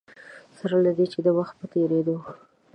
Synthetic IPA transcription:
saɾalad̪et͡ʃed̪əwaxt̪̚pət̪eɾed̪o

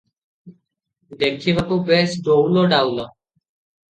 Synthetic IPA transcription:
d̪ekʰːiβakubesɖowloɖawlɔ

